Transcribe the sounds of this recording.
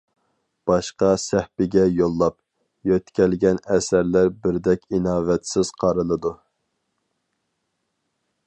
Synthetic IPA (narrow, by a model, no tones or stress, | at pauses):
b̥ɑʃqɑsɛhpɪɡʲɛjolˠːɑp̚ | jøt̪kʲɛlɡʲɛnɛsæɾlæɾbɪɾd̪ɛkʲinɑːvɛt̪sɪz̥qʰɑɾɨlˠɨd̪u